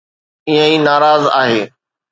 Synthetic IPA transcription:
ɪɦə̃iːnaːɾaːza̰ːɦeː

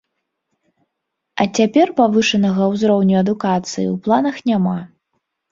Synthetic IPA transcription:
ɐt͡sʲapʲɛrpavɨʂɐnɐɣɐwzɾɔwnʲuɐd̪ukat̪sɨjḭwplˠan̪ɐxnʲama

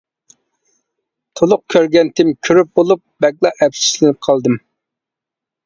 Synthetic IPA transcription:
t̪ʰolˠʊq̚kʲʰøɾɡʲɛnt̪ʰɪmkʲʰyɾyp̚bolˠup̚b̥ɛkʲlˠɑʔɛpsi̥ʃlɪnɪp̚qʰɑlˠd̪ɨm

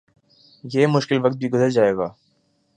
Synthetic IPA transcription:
jeːmʊʃkɪlʋɐkt̪̚bʱiɡʊzəɾd͡ʒaːeːɡaː

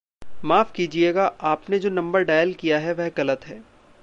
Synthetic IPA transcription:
maːfkiːd͡ʒieːɡaʔaːpned͡ʒoːnɐ̃mbəɾɖaːjəlkijaɦɛʋɛɦɣɐlət̪ɦɛː

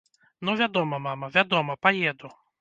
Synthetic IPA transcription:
nɔvʲad̪ɔmɐmamɐvʲad̪ɔmɐpɐjɛd̪ʊ

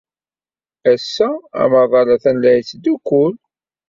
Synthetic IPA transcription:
æsːææ̰mɑðˤɑlɑθænlæjt͡sːd̪ukːʊl

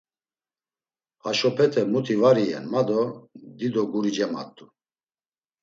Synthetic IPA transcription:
aʃɔpʰɛt̪ʰɛmut̪ʰivaɾiɛ̰nmad̪ɔd̪id̪ɔɡuɾid͡ʒɛma̰t̪ʼːu

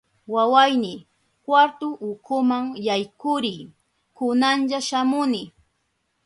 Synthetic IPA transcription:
wawajnɪ | kwaɾt̪ʊʔʊkʰʊmaŋjajkʊɾɪj | kʊnanʎaʃamʊnɪ

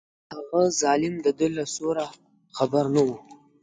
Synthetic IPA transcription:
haɣazɑːlɪmd̪əd̪əlasoɾa | χabaɾnawu

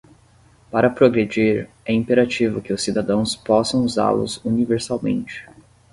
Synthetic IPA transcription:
paɾɐpɾoɡɾed͡ʒiɾ | ɛĩpeɾat͡ʃivʊkɪʊsːid̪ad̪ɐ̃w̃spɔsɐ̃w̃uza̰lʊ̰zuniveɾsawmḛ̃nt͡ʃɪ̥

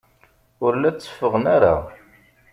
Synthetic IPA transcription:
ʊɾlæt͡sːə̥fːəʁənaɾa̰

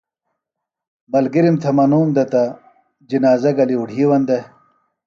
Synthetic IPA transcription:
bɐlɡiɾimt̪ʰɐmɐnuːmd̪ɐt̪ɐ | d͡ʑinaːzɐɡɐliuɽʱiːwɐnd̪e

